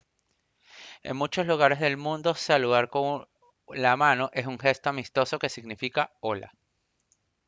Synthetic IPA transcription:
e̞̰ŋmut͡ʃo̞sluɣ̞aɾe̞zðe̞lmũnd̪o̞saluðaɾkoŋ | lamãno̞ʔe̞suŋxe̞st̪o̞amist̪o̞so̞ke̞siɣnifikao̞la̰

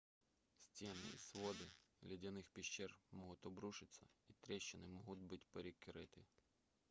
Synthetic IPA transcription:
sʲtʲɛnɪ̰ḭsʋɔd̪ɪlʲɐdʲɐnɪxpʲiʃt͡ʃːɛrmɔɦʊt̪ʲɔbɾuʃɪt͡sʲsʲːɐit̪ɾʲɛʃt͡ʃɪnɪmɔɦʊt̪ʲbɪtʲpeɾʲikɪɾɪt̪ɪ

